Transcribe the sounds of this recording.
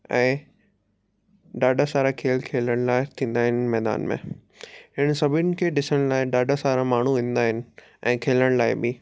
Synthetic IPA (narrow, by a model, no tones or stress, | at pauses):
ɛ̃ː | ɖaːɖʱasaːɾakʰeːlkʰeːləɽ̃laːɪt̪ʰĩːn̆d̪aːɦɪnmɛːd̪a̰ːnmḛ̃ | ɦɪnsɐbʱɪnɪ̆kʰeːɖɪsəɽ̃laːɪɗaːɖʱasaːɾamaːɳ̤uʋĩːnd̪aːɦɪnɪ̆ | ʔɛ̃ːkʰeːləɽ̃laːɪbɪ